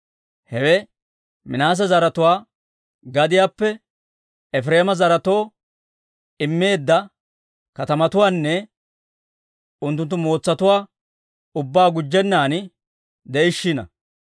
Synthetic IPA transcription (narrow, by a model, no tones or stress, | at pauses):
hɛwɛ | mɪnaːs̬ɐzɐɾɐt̪ʊwaː | ɡɐd̪ɪjaːpːɛ | ɛfɾe̞ːmɐzɐɾɐt̪o̞ː | ɪmːe̞ːd̪ːɐ | kɐt̪ɐmɐt̪ʊwaːnːɛ | ʊnt̪̬ːʊnt̪̬ːʊmo̞ːt͡sːɐt̪ʊwaː | ʊbːaːɡʊd͡ʒːɛnːaːn | d̪ɛʔɪʃːɪnɐ̰